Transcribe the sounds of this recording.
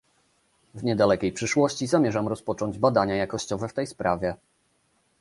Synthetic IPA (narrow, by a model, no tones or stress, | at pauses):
vɲɛd̪alɛkʲejpʂɘʂwɔɕt͡ɕizamʲjɛʐamɾɔspɔt͡ʂɔɲd͡ʑbad̪aɲajakɔɕt͡ɕɔvɛft̪ɛjspɾʔavʲjɛ